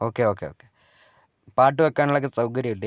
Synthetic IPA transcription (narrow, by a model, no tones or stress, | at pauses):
oːkːeoːkːeoːkːe | paːʈːɨʋɐkːaːniɭɐk̬ːɨsɐwk̬ɐɾjiuʈːɨ